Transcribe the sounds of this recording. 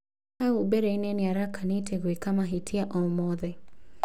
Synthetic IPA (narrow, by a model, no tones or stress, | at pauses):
aubɛɾɛinɛniaɾakanitʰɛɣwekamaɦitʰiaʔɔmɔðɛ